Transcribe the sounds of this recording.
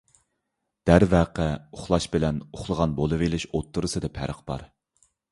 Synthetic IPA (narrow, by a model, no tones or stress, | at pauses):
d̪̥æɾvæqʰɛʊχlˠɑʃbɪlɛnʊχlˠəʁɑnbolˠɨvelɪʃot̪ʰːʊɾɨsɨd̪ɛpʰæɾəqb̥ɑ̰ɾ